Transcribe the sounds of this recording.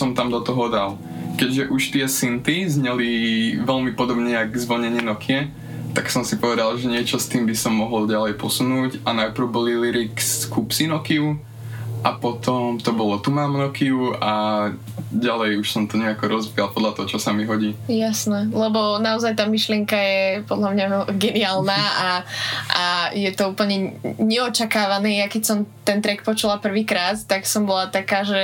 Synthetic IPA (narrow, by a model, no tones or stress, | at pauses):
sɔmt̪amd̪ɔt̪ɔɦɔd̪al | kɛɟʒɛʔuʃt̪ɪɛsint̪izɲɛliʋɛlmipɔd̪ɔbɲɛaɡzʋɔɲɛɲɪɛnɔkʰɪɛ | t̪aksɔmsipɔʋɛd̪alˠʒɛɲɪɛt͡ʃɔst̪iːmbisɔmːɔɦɔlɟalɛjpɔsunuːcanawpɾʊbɔliliɾikskupsinɔkiu | ʔapɔt̪ɔmt̪ɔbɔlɔt̪umaːmnɔkiua | ɟalɛjuʃsɔmt̪ɔɲɛakɔɾɔzbialpɔd̪lat̪ɔɦɔt͡ʃɔsamiɦɔɟiːjasnɛlɛbɔnaɔzajt̪aːmiʃlɪɛŋkajɛpɔd̪lamɲaɡɛniaːlnaːʔaʔajɛt̪ɔuːpl̩ɲɛɲɛɔt͡ʃakaːʋaniːjakɛcsɔmt̪ɛnt̪ɾɛk̚pɔt͡ʃulapr̩ʋiːkɾaːt̪t̪aksɔmbɔlat̪akaːʒɛ